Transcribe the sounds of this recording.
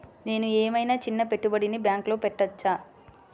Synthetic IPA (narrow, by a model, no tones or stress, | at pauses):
ne̞ːnueːmɐjnaːt͡ʃinːɐpeʈːubɐɽinibjaːŋklo̞ːpɛʈːɐt͡ʃːaː